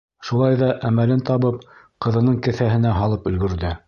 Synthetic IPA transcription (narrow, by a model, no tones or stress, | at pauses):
ʃulˠɑjðɑʔæmælɘnt̪ɑβɤp̚ | qɤ̆ðɤ̆nɤɴkɘ̆θæɦɘ̆næɦɑlˠɤpɵ̆lɡɵ̆ɾðɘ